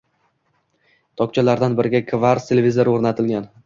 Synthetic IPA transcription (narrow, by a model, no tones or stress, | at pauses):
t̪ʰɒk̚t͡ʃʰalaɾd̪anbɪɾɪɡʲakʰvaɾt̪ʰelʲevʲizoɾoɾnat̪ʰɪlɡʲan